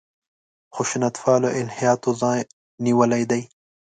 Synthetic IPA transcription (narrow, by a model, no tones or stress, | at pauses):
xʊʃunat̪fɑːloʔɪlhijɑːt̪ozɑ̃ː | niwɐlajd̪aj